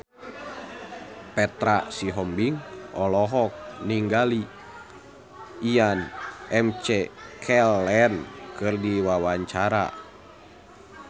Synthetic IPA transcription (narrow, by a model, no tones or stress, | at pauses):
pɛt̪ɾasiɦɔmbiŋʔɔlɔɦɔk̚niŋɡali | ianɛmt͡ʃɛkʰɛlɛnkɨrdiwawaɲt͡ʃaɾa̰